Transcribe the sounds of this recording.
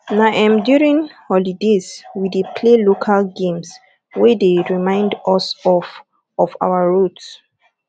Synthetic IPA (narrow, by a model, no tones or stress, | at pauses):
naʔãmdjuɹĩŋhɔlidezwidipʰlelokʰalɡẽms | wɛdeɹimãɪ̃ndɔsɔf | ɔfa̰wəɹots